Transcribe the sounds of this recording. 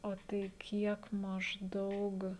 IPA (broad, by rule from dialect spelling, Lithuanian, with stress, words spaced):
oː ˈtɐɪ ˈkʲiɛk mɐʒˈdɐʊk